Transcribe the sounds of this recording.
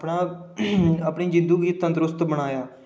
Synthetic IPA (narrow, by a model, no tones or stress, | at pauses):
pɳaː | əpɳiːd͡ʒɪ̃nd̪uːɡiːt̪ənt̪ɾʊst̪bəɽ̃aːjaː